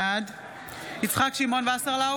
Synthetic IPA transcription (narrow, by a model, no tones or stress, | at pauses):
ad̪ | it͡sχakʃimonveasaʁla